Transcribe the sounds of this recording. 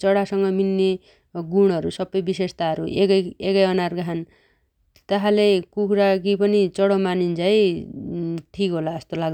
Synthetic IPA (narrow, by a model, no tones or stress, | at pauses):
t͡sʌɽasʌŋɡʌminːe | ɡuɽ̃ʌɾusʌbːʌjbisest̪aʌɾuekʌjekʌjʌnarɡaɦan | t̪aɦãlekukuɾaɡipʌnit͡sʌɽʌmanint͡saĩ | ʈʰikɦolaʌst̪olaɡ̪